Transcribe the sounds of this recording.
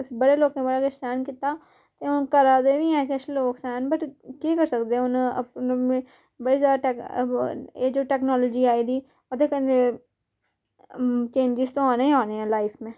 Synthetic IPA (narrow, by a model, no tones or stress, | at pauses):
sbəɽeloːkẽːbəɽaːkəɾsɛːnkɪt̪ːaː | t̪eːʊnkəɾaːd̪eːʋiɛ̃ːkeət͡ʃʰeloːksɛːnbəʈkeːkəɾsəkd̪eɛ̃ʊnə̰pnẽ | bəɽizjaːd̪aʈɛːk | eːd͡ʒoːʈɛːknɔːlɔːd͡ʒiːaːiːd̪iː | od̪eːkəe | t͡ʃẽːnd͡ʒɪzt̪õːaːnaːĩaːneɛ̃ːlaːɪpʰmẽː